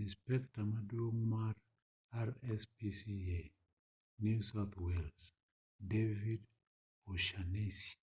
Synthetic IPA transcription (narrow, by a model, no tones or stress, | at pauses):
ĩnspɛktamadomaɾ | aɹɛspisie | njusawθwɛls | devid | oʃanesi̥